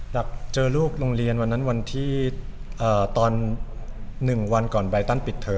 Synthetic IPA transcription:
la˨˩k̚t͡ɕɤː˧luː˥˩k̚lo˧ŋɾi˧ənwa˧nːa˦˥nwa˧nt̪ʰiː˥˩ | ʔəː˨˩t̪ɔː˧nː | ɯ˨˩ŋwa˧nkɔː˨˩nba˧jt̪a˥˩npi˨˩t̪ʰːɤː˧

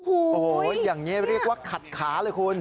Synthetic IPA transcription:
ʔoː˨˩ho˨˩jaː˨˩ŋniː˦˥ɾi˥˩ək̚waː˥˩kʰa˨˩t̪̚kʰaː˩˦lɤː˧jkʰu˧n

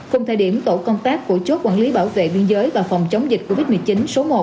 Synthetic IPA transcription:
kʊ˨˧˩ŋ͡mt̪ʰaː˧˩ɗi˧˩əmt̪o˧˩kɔ˧ŋ͡mt̪aː˦˥kːu˧˩ət͡ɕo˦˥t̚kwaː˧˩nli˨˦ɓaː˧˩wvḛ˧˨ɓi˧ənzəː˨˦jvaː˨˩fɔ˨˩wŋ͡mt͡ɕə˨˦wŋ͡mzi̟˨˩ko˧vi˦˥t̚mɨ˨˩əjt͡ɕi˨˦nso˨˦mo˨˩

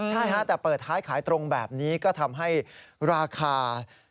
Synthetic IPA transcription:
t͡ɕʰa˥˩jʰa˦˥t̪ɛː˨˩pɤː˨˩t̪̚hʰaː˦˥jkʰaː˩˦jt̪ɾo˧ŋbɛː˨˩p̚niː˦˥kɔː˥˩t̪ʰa˧mɦa˥˩jɾaː˧kʰaː˧

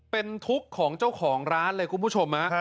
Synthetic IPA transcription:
pe˧nt̪ʰu˦˥kʰːɔː˩˦ŋt͡ɕa˥˩wkʰɔː˩˦ŋɾaː˦˥nlɤː˧jkʰu˧npʰu˥˩t͡ɕʰo˧mha˦˥ʔ

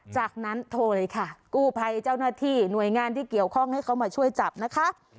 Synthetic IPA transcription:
t͡ɕaː˨˩k̚na˦˥nt̪ʰoː˧lɤː˧jkʰa˥˩kuː˥˩pʰa˧jt͡ɕaː˥˩wnaː˥˩t̪ʰiː˥˩nu˨˩əjŋaː˧nt̪ʰiː˥˩ki˨˩əwkʰɔ˥˩ŋha˥˩jkʰa˦˥wmaː˧t͡ɕʰu˥˩əjt͡ɕa˨˩p̚na˦˥kʰa˦˥ʔ

